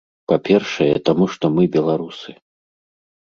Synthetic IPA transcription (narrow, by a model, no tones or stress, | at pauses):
papʲɛrʂɐjɛt̪amuʂt̪ɔmɨbʲɛlˠaɾusɨ